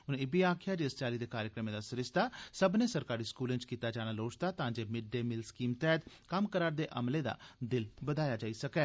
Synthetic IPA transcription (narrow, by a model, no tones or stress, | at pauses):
ʊnẽɪbiːaːkʰɪjaːɾeːsʈaːliːd̪eːkaːɾjəkɾəmẽːd̪aːsʊɾɪst̪aːsəbnẽːsəɾkaːɾiːskuːlẽnt͡ʃkiːt̪aːd͡ʒaːñaːloːt͡ʃt̪aːt̪ãːd͡ʒeːmɪɖːeːmɪlskiːmt̪ɛːt̪kəmkəɾaːɾd̪eːʔə̰mleːd̪a̰ːd̪ɪlbəd̪aːjaːd͡ʒaːiːsəkɛː